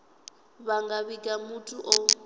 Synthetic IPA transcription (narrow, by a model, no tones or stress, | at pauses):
βaŋɡaβikʼamutʼuʔɔ